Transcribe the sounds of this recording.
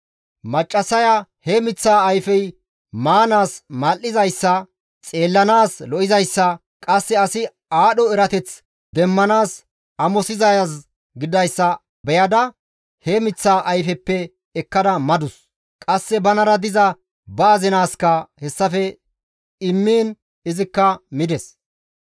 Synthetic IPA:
mɐt͡ʃʼːɐsɐjahɛmɪt͡sːaːɐjfɛj | maːnaːsmaːlːɪzɐjsːɐ | t͡sʼe̞ːlːɐnaːslɔʔɪzɐjsːɐ | kʼɐsːɛɐsɪ | aːɗɔɛɾɐt̪ɛt͡s | d̪ɛmːɐnaːs | ɐmɔsɪzɐjɐs | ɡɪd̪ɐjsːɐ | bɛjɐd̪ɐ | hɛmɪt͡sːaːʔɐjfɛpːɛ | ɛkːɐd̪ɐmɐd̪ʊs | kʼɐsːɛbɐnɐɾɐd̪ɪzɐ | baːzɪnaːskːɐhɛsːɐfɛ | ɪmːeːn | ɪzɪkːɐmɪd̪ɛs

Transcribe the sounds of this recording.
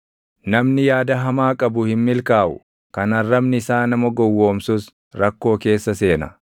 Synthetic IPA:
nɐmnɪjaːd̪ɐɦɐmaːkʼɐbʊhɪnmɪlkaːʔʊ̰ | kɐnɐrːɐbnɪɪsaːnɐmɐɡɔwːoːmsʊs | ɾɐkːo̞ːke̞ːsːɐse̞ːnɐ

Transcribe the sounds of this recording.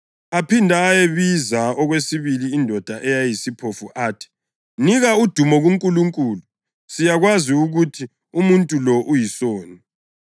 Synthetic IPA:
apʰindʱaːjeβizaɔɣwesiβiliːndʱɔd̥ʱaʔɛjajisipʰofuʔaːtʰi̥ | niɣaud̥ʱumɔɣuŋkʼuluŋkʼuːlu | sijaɣwaziuɣutʰi | umuntʼulɔʔujisoːni

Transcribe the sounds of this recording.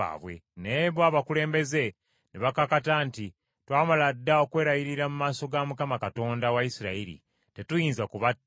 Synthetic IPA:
a̰ːβwe̞̰neβwaːβakule̞ːmbe̞ze̞ | neβakakatanti | twaːmaladːao̞kwe̞ːɾajiɾiɾamumaːso̞ɡamukamakato̞ːndawaisiɾa̰iɾḭ | te̞tujiːnzakuβa

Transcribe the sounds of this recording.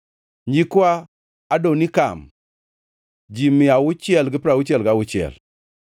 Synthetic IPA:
ɲd͡ʒikua | adonika̰m | d͡ʒimːiawut͡ʃiɛlɡipɾawut͡ʃelɡawut͡ʃɛ̰l

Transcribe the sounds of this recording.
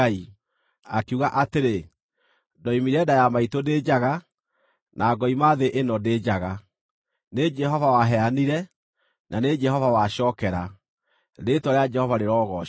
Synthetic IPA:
i | akeuɣaʔateɾe | dɔimiɾɛdajamaitoded͡ʒaɣa | nʔaːɡɔimaːðeʔenɔdeːd͡ʒaɣa | ned͡ʒɛɦɔvawaɦɛaniɾɛ | nʔaned͡ʒɛɦɔvawaɕɔːkɛɾa | ɾetwɔɾead͡ʒɛhɔvaɾeɾɔːɣɔ

